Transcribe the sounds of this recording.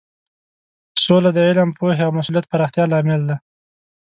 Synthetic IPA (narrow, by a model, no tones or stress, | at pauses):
solad̪əɪlampoheawmasulijat̪̚paɾɑxt̪jɑlɑmɪld̪a